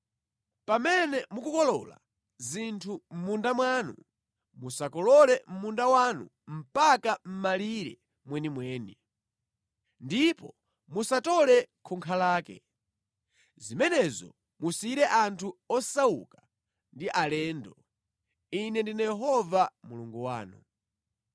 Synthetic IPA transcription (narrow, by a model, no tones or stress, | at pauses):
pamɛnɛmukukɔlɔ̰la̰ | zintʰum̩mundamwaːnṵ | musakɔlɔlɛm̩mundawanṵ | m̩pakam̩maliɾɛ̰ | mwɛnimwɛːni | ndipɔ | musatɔlɛkʰuŋkʰalaːkɛ̰ | zimɛnɛzɔ̰ | musiɾɛʔantʰuɔsaṵka | ndiʔalɛːndɔ | inɛndinajɛɦɔvamuluŋɡuwa̰ːnu